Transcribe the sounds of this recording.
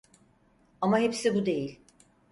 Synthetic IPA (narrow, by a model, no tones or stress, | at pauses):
amaɦepsibud̪e̞jilʲ